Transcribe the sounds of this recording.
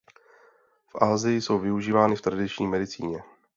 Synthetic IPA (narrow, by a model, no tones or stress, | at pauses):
fʔaːzɪjɪso̞wvɪuʒiːvaːnɪft̪ɾadɪt͡ʃɲiːmɛdɪt͡sḭːɲɛ